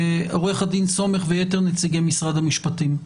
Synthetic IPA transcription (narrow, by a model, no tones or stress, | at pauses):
o̞ʁeχad̪inso̞me̞χvejeteʁnet͡siɡemisʁad̪hamiʃpat̪im